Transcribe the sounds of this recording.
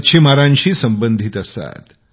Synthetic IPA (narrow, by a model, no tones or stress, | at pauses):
ɕʰemaɾãɲɕiːsəmbənd̪ʱit̪əst̪a̰t̪